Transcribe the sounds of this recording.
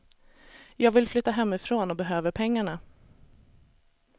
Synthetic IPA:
jɑːɡvɪlflʏt̪ːaɦɛmːɪfɾoːnɔbɛɦøːvəɾpʰɛŋːaɳa

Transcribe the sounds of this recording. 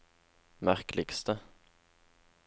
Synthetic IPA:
mæɾklɪɡ̥st̪ə

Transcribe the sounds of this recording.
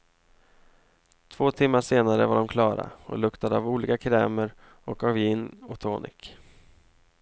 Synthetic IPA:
t̪ʰv̥oːt̪ʰɪmːaʂeːnaɾəvaɖɔmkʰlɑːɾa̰ɔ̰lɵkt̪ad̪əavuːliːkakʰɾɛːməɾ | ɔkavjɪnːɔkt̪ʰoːnʔɪ̰k

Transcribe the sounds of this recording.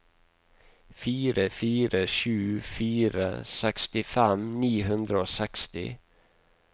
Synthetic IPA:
fiːɾəfiːɾəʃʉːfyːɾə̰sɛkst̪ɪfɛmniːɦʉnd̪ɾəoːsɛkst̪ɪ̰

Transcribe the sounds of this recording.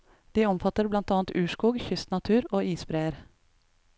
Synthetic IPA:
d̪̥iːɔmfɑt̪əɾblɑnt̪ɑːɑnt̪ʉːʃkuːɡçʏst̪nɑt̪ʰʉːɾoːiːsbɾeːəɾ

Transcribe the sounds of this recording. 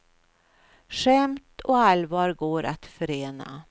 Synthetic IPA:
ʂɛmt̪ɔalvɑːɾɡoːɾʔat̪fœɾeːna̰

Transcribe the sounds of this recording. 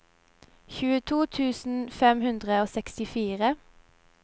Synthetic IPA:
çʉːət̪ʰuːt̪ʰʉːsn̩fɛmhʉnd̪ʁəoːsɛkst̪ɪfiːʁə

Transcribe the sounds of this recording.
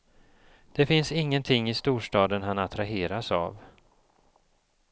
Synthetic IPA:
d̪̥ɛfɪnsɪŋːənt̪ʰɪŋːɪst̪uːʂʈɑːd̪ənɦanat̪ʰɾaɦeːɾasa̰v

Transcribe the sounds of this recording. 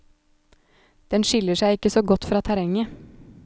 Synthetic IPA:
d̪̥ɛnʃɪləʃæɪɪkəsoːɡɔt̪fɾɑːt̪ʰæɾɛŋə

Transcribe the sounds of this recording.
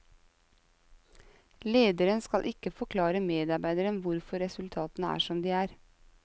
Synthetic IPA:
leːd̪əɾənskɑlʔɪkəfɔkʰlɑːɾəmeːd̪ɑɾbæɪd̪əɾənʋʊɾfɔɾɛsʉlt̪ʰɑːt̪nəæ̰ːʃɔmd̪iːæːɾ

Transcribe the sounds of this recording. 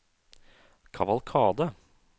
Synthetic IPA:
kʰɑʋɑlkʰɑːd̪ə

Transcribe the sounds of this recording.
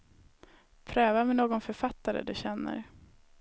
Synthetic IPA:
pʰɾøːvamɛnoːɡɔnfœɾfat̪ːaɾə̰d̪ɵɕɛnːə̰ɾ

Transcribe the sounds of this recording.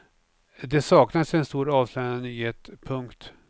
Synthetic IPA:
d̪ɛsɑːknad̪sɛnst̪uːɾɑːvsløːanənyːheːt̪pʰɵŋkt̪

